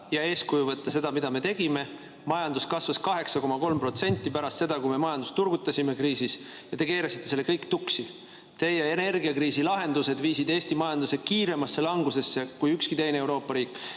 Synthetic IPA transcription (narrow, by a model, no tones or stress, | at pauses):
jɑe̞ːskujuvɤt̪ːˑɑse̞d̪ɑmid̪̥ɑme̞t̪e̞ɡ̥ime̞ | mɑjɑnd̪uskɑsvɑskɑɦe̞ksɑko̞mɑko̞lmpro̞t̪se̞nʲt̪ːˑipæɾɑst̪se̞d̪ɑkujme̞mɑjɑnd̪ust̪urɡ̥ut̪ːˑɑsime̞kriːsis | jɑt̪e̞ke̞ːɾɑsit̪ːˑese̞lːe̞kɤjkːt̪uksi | t̪e̞jeene̞rɡiɑkriːsilɑɦe̞nd̪use̞d̪̥viːsid̪e̞ːsʲt̪imɑjɑnd̪̥use̥kiːɾe̞mɑsːe̞lɑŋɡuse̞sːe̞kujykskit̪e̞jneewɾo̞ːpːˑɑɾiːkːˑ